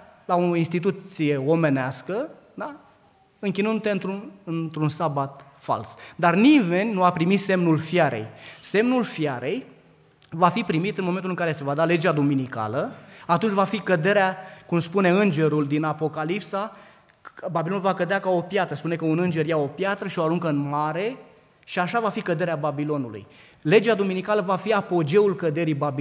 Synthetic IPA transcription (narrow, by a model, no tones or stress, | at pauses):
laoinst̪it̪̬usije̞o̞me̞neaskə | d̪a | ɨŋkʲinund̪ut̪eɨnt̪ɾuɨnt̪ɾunsabat̪ | fa̰lsd̪arnime̞nʲnuapɾimit̪se̞mnulfjaɾḛjse̞mnulfjaɾe̞j | vafipɾimit̪ɨnmoment̪ulɨŋkaɾe̞se̞vad̪ale̞d͡ʒad̪ominika̰ləat̪unt͡ʃʲvafikəd̪e̞ɾeakumspune̞ɨnd͡ʒe̞ɾuld̪inapo̞kalipsa | babilo̞nulvakəd̪eakao̞pjat̪ɾəspune̞kəunɨnd͡ʒe̞rjao̞pjat̪ɾəʃio̞aɾuŋkəɨnmaɾe̞ | ʃiaʃavafikəd̪e̞ɾeababilo̞nulṵj | le̞d͡ʒad̪ominikaləvafiapo̞d͡ʒe̞ulkəd̪e̞ɾibab